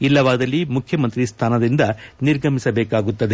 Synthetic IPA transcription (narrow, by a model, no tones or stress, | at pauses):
ilːɐʋaːd̪ɐlːimukʰjɐmɐnt̪ɾist̪ʰaːnɐd̪ind̪ɐniɾɡʱɐmisɐbɛːkaːɡut̪ːɐd̪e